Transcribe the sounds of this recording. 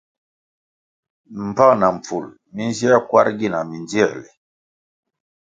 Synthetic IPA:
m̩˨pa˦ŋna˨m˨p͡fu˨l | mi˦nzi˦a˦kwa̰˦ɾɡi˦˨na˨mi˨nd͡zi˦ɛ̰˦˨lɛ˨

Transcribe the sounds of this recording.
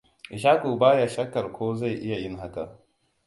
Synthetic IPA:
ʔɪ˨ʃaː˦ku˨baː˦ja˨ʃɐ˦kːɐ˨rkʷoː˦za˦˨jʔɪ˦ja˨jɪ˦ŋɦa˦ka˨

